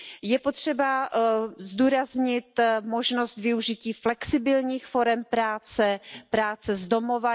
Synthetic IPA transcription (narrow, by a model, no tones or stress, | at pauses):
jɛpot̪r̝̥ɛba | zd̪uːɾazɲɪt̪mo̞ʒno̞st̪vɪuʒɪciːflɛksɪbɪlɲiːxfo̞ɾɛmpɾaːt͡sɛpɾaːt͡sɛzdo̞mo̞va